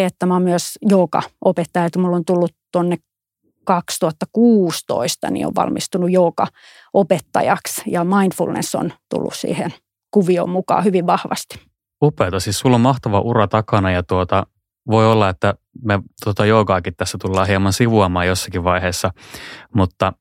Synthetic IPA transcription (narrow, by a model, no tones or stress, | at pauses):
et̪ːæmæommyøsjoːkɑ̰ʔopet̪ːɑjɑt̪umulːont̪ulːutt̪onːek | kɑkst̪uhɑt̪ːɑkuːst̪o̰ist̪ɑ̰nḭo̰ʋʋɑ̰lmʔist̪unujjoːkɑ | ʔopet̪ːɑ̰jɑksjɑmɑinfṵlnḛsːo̰nt̪ṵlːṵssḭːhen | kuʋio̰mmukɑ̰ːhyʋiʋʋɑhʋɑ̰st̪i̥ | upˑeːt̪ɑsiːssulːommɑht̪ɑʋɑʔuɾɑt̪ɑkɑnɑjɑt̪uot̪ɑ | ʋoiolːɑet̪ːæ | met̪ot̪ɑjoːkɑːkit̪t̪ːæsːæt̪ulːɑːhiemɑnsiʋuɑmɑːjosːɑ̥kiʋʋɑiheːsːɑmut̪ːɑ